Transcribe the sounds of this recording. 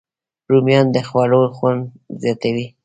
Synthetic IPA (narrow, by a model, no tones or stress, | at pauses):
ɾumjɑnd̪əxwɑloxwand̪ | zjɑt̪awi